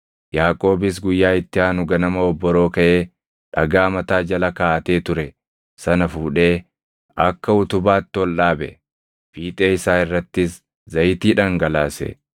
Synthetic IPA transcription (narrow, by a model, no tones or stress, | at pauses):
jaːkʼo̞ːbɪs̬ɡʊjːaːɪt̪ːɪaːnʊɡɐnɐmɐɔbːɔɾoːkɐʔe̞ː | ᶑɐɡaːmɐt̪aːd͡ʒɐlɐkaːɐt̪e̞ːt̪ʊɾɛ | sɐnɐfuːᶑe̞ː | ʔɐkːɐʊt̪ʊbaːt̪ːɪɔlːaːbɛ̰ | fiːt̪ʼe̞ːɪsaːɪrːɐt̪ːɪs | zɐjt̪iːᶑɐŋɡɐlaːsɛ̰